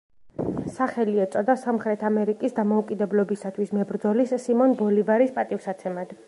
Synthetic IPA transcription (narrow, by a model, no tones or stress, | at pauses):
saχɛliɛt̪sʼɔd̪asamχɾɛt̪ʰamɛɾikʼisd̪amɔukʼid̪ɛblɔbisat̪ʰwismɛbɾd̪zɔlisːimɔnbɔlivaɾispʼat̪ʼifsat̪sʰɛmad̪